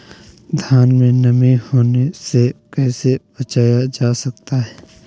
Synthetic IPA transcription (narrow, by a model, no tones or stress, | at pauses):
d̪ʱjaːnmẽnɐmẽhoːnesekɛːseb̥ɐt͡ʃaːjad͡ʒaːsɐk̚t̪aɦɛː